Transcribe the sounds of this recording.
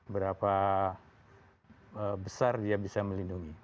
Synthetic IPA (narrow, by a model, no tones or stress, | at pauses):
bəɾapa | əbəsardiabisaməlinduŋi